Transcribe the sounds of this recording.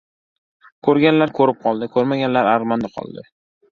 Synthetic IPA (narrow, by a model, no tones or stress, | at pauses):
kʰɵɾɡʲanlaɾkʰɵɾɪp̚qʰɒlˠd̪ɪkʰɵɾmaɡʲanlaɾaɾʁmand̪aqʰɒ̰lˠd̪ɪ